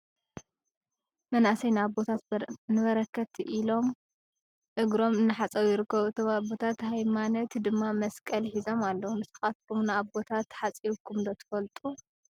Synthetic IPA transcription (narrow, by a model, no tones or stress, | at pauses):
mɐnʔasɐjnɨabot̪ʰat̪nɨβɐɾɐkːɐt̪ʰiʔilo̞m | ʔɨɡɾo̞mɨnːɨħat͡sʼɐwjɪɾɨkːɐβuɨt̪ʰomabo̞t̪ʰat̪hajmanɐt̪d̪ɨmːamɐskʼɐlħizo̞malːomɨsɨ̥xat̪kʰumnaaβbo̞t̪ʰat̪ħat͡sʼiβkʰːumd̪ɐt̪ʰɨ̥fɐlt̪ʼu